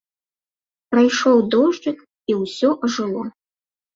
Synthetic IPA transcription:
pɾajʂɔwd̪ɔʐd͡ʐɨk | iwsʲɔʔɐʐɨlˠɔ

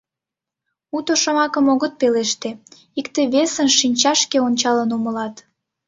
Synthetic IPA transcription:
ut̪oʃomɑkəmoɣət̪̚peleʃt̪e | ikt̪eβesənʃinʲt͡ɕɑʃkeonʲt͡ɕɑlənuməlɑt̪

